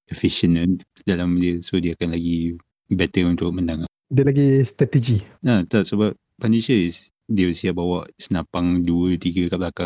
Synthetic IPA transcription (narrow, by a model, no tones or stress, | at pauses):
əfiʃənəndalamdiəsodiəakanlaɡi | bɛt̪əunt̪ʊk̚məndaŋaʔdiəlaɡist̪ɾat̪ed͡ʒiat̪aʔ̚səbap̚ | paniʃəs | diəsiaʔ̚bawaʔsənapaŋduət̪iɡəkap̚lakaŋ